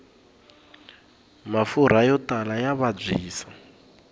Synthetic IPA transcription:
mafuɾ̤ajɔtalajaβab͡ʐʷiːsa

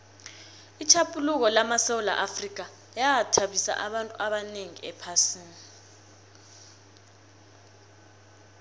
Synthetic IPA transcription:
it͡ʃʰapʰʼuluk̬ɔlamasɛwula̰ʔafrik̬a | jaatʰaɓisa̰ʔaɓantʼuʔaɓaneŋiɛpʰasiːni

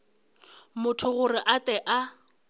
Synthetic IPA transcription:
mʊtʰʊɣʊrɪʔatɛʔa

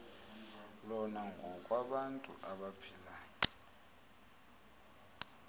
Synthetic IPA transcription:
lɔnaŋɡʱɔkʼwaɓantʼṵʔaɓapʰilaːjɔ

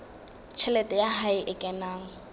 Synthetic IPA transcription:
t͡ʃʰɛlɛtʼɛjaɦaɪʔɪkʼɛnaːŋ̩

